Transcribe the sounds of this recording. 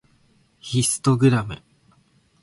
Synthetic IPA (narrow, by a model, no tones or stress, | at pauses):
çisɨ̥t̪o̞ɡɯ̟ɾamɯ̟̰